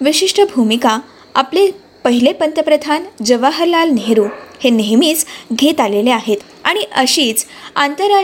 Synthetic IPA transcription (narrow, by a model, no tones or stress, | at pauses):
ʋiɕiʂʈəbʱumika | aple | pəɦilepənt̪əpɾəd̪ʱand͡ʑəʋaɦəɾlalneɦɾuːheneɦmiːt͡sɡʱet̪aleleaɦet̪ | aɽ̃iʔəɕiːt͡s | ant̪əɾa